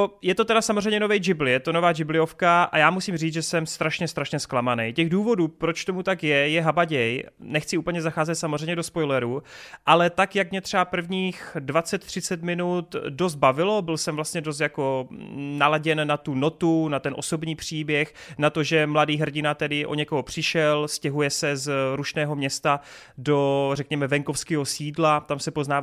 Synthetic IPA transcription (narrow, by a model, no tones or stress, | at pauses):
jɛt̪o̞t̪ɛdasamozr̝ɛjɲɛno̞vɛjd͡ʒɪblɪjɛt̪o̞novaːd͡ʒɪblɪo̞fkaʔa̰jaːmusimriːt͡sʒɛsɛmst̪ɾaʃɲɛst̪ɾaʃɲɛsklamanɛjcɛɣduːvo̞duːpɾo̞t͡ʃt̪o̞mut̪akjɛjɛɦabaɟɛjnɛxt͡sɪʔuːpl̩ɲɛzaxaːzɛt̪samozr̝ɛjɲɛdospojlɛɾuʔalɛt̪akjakmɲɛt̪r̥ɛapr̩vɲiːxdvat͡sɛt̪ːr̝̥ɪt͡sɛt̪mɪnut̪dos̬t̪̚bavɪlo̞bɪlsɛmvlast̪ɲɛdos̬t̪jako̞nalaɟɛnːat̪uno̞t̪unat̪ɛnʔo̞so̞bɲiːpr̝̥iːbjɛxnat̪o̞ʒɛmladiːɦr̩ɟɪnat̪ɛdɪʔo̞̰ɲɛko̞ɦopr̝̥ɪʃɛlscɛɦujɛsɛzɾuʃnɛːɦo̞mɲɛst̪a | do̞rɛkɲɛmɛvɛŋko̞fskɛːɦo̞siːdlat̪amsɛpoznaːv